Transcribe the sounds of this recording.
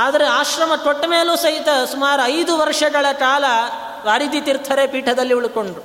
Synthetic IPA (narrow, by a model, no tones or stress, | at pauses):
aːd̪ɐɾeaːʃɾɐmɐt̪oʈːmeːluːsɐɦit̪ɐsumaːɾuɐjd̪uʋɐɾʂɐɡɐɭɐkaːlɐ | ʋaːɾid̪it̪iɾt̪ʰɐɾepiːʈʰɐd̪ɐlːiuɭuko̞ɳɖɾu